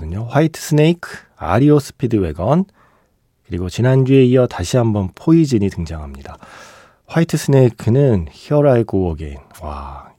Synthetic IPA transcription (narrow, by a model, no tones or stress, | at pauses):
ɯɲoɸwaitʰɯ̥s͈ʰɯne̞ikʰɯ | a̰ɾios͈ʰɯ̥pʰidɯwe̞̰ɡʌn | kɯɾiɡot͡ɕinand͡ʑue̞iʌtaɕʰiɦambʌnpʰoid͡ʑiɲitɯŋd͡ʑaŋɦamɲida | ɸwaitʰɯsʰɯne̞ikʰɯnɯnçjʌɾaɭk͈owʌɡḛnwa̰